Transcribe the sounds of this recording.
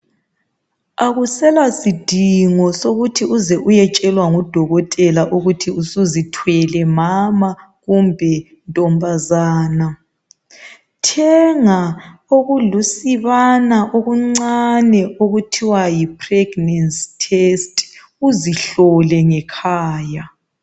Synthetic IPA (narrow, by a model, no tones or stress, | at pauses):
aɣusɛlasid̥ʱiŋɔsoɣutʰiuzɛʔujɛt͡ʃʼɛlwaŋud̥ʱɔɣɔtʼɛlaʔuɣutʰiusuzitʰwɛlɛmama | ɣumbʱɛ | ntʼɔmbʱazaːna | tʰɛŋaoɣulusiβanaʔoɣuŋ͡ǀanɛoɣutʰiwajipʰrɛɡ̥nɛnstʰestʼ | uziɬɔlɛŋɛkʰaːja